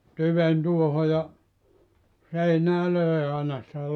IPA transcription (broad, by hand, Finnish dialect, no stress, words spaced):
tyʋen tuoho jɑ seinæː løˑe ɑˑenɑ sĭtæ